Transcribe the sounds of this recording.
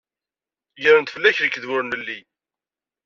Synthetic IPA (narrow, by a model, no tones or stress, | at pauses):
ʝəɾənt̪fəlːæçɾəkːðwʊɾnəlːi